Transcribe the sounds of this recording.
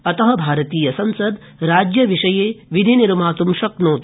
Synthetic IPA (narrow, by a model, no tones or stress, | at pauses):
ɐt̪ɐɦɐ̆bʱaːɾɐt̪iːjɐsɐnsɐd̪ | ɾaːd͡ʒjɐʋiʂɐjeːʋid̪ʱiniɾumaːt̪umʃɐknoːt̪